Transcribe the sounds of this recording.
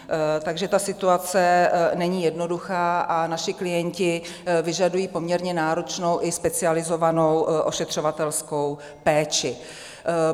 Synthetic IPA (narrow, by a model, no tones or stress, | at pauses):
t̪aɡʒɛt̪asɪt̪uat͡sɛnɛɲiːjɛdno̞duxaːʔanaʃɪklɪjɛɲcɪ | vɪʒadujiːpo̞mɲɛɾɲɛnaːɾo̞t͡ʃno̞wʔɪspɛt͡sɪalɪzo̞vano̞wʔo̞ʃɛt̪r̥o̞vat̪ɛlsko̞w | pɛːt͡ʃɪ